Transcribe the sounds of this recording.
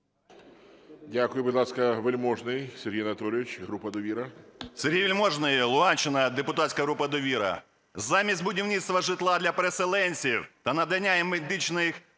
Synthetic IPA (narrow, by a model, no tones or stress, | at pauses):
dʲakʊjʊbʊd̪lˠɑskɐʋelʲmɔʐnɪjsʲeɾʲɦʲijnɐt̪ɔlʲɪʋʲɪt͡ʃɦɾupɐd̪ɔʋʲiɾɐsʲeɾʲɦʲijʋʲilʲmɔʒnɪjlˠʊɦanʲt͡ʃːɪnɐd̪epʊt̪atʲsʲkɐɦɾupɐd̪ɔʋʲiɾɐ̰ | zɑmʲisʲt̪̚ʲbʊdʲiwnʲit̪st̪ʋɐʒɪt̪lˠɑd̪lʲɐpeɾeselˠɛnʲsʲiwt̪ɐnɐd̪ɐnʲːajɛmed̪ɪt͡ʃnɪx